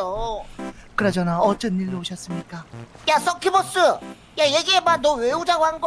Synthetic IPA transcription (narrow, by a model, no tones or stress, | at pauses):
o | kɯɾʌd͡ʑʌnaʌt͡ɕ͈ʌniɭːooɕʰʌs͈ɯmɲik͈ajas͈ʰʌkʰibʌs͈ɯ | jajeɡiemanoweud͡ʑaɡoɦanɡʌ